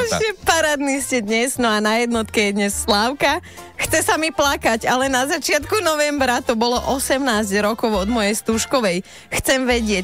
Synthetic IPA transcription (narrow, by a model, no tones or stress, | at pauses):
ʒɛpaɾaːd̪niːscɛd̪ɲɛznɔanajɛd̪nɔt̪kɛjɛd̪ɲɛsːlaʊka | xt͡sɛsamiplakaɟalɛnazat͡ʃɪat̪kunɔʋɛmbɾat̪ɔbɔlɔʔɔsɛmnaːzɟɾɔkɔʊɔd̪mɔjɛjst̪uːʃkɔʋɛj | xt͡sɛmʋɛɟɪɛ